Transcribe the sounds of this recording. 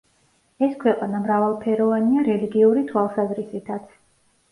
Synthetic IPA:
ɛskʰwɛqʼanamɾavalˠpʰɛɾɔvaniaɾɛliɡiuɾit̪ʰwalˠsazɾisit̪ʰat̪sʰ

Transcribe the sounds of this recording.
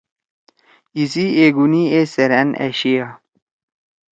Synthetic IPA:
isieɡunieseɾænḛɕia

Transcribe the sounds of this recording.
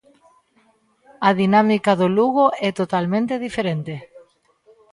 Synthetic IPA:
aðinamikaðoluɣoɛt̪ot̪almẽnt̪eðifeɾent̪e

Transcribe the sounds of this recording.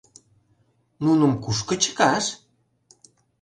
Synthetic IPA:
nunə̆mkuʃkə̆t͡ɕə̥kɑʃ

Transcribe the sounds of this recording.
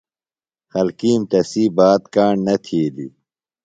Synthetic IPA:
xɐlkiːmt̪ɐsiːbaːt̪kaːɳnɐt̪ʰiːd̪ḭ

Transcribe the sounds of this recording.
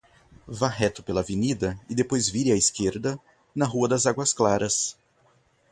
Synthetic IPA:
vaɦɛt̪ʊ̥pelɐavenid̪ɐɪd̪epojzviɾɪɐiskeɾd̪ɐ | nɐɦuɐd̪ɐzaɡwɐsklaɾɐs

